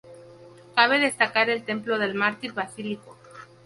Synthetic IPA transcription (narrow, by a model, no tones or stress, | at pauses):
kaβe̞ðe̞st̪akaɾe̞lt̪e̞mplo̞ð̞e̞lmaɾt̪iɾβasiliko